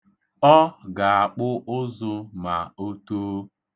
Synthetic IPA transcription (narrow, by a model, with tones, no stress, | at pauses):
ɔ˦ɡa˨a˨k͡pʊ˦ʔʊ˦zʊ˦ma˨o˦to˦